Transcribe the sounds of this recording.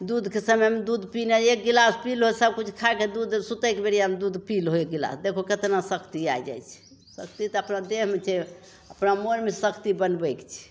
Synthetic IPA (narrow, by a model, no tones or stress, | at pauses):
d̪ud̪ʱkesəməmed̪ud̪pineek̚ɡilaspilɦosəb̚kut͡ʃʰkʰaked̪ud̪sut̪əkebeɾijamed̪ud̪pilɦoek̚ɡila̰sd̪ekʰoket̪enasəkt̪iajd͡ʒa̰jt͡ʃʰɛ̥ | sək̚t̪it̪ɔəpnad̪eɦmet͡ʃʰɛ | əpnamoɾmesəkt̪ibənbəjkt͡ʃʰɛ̥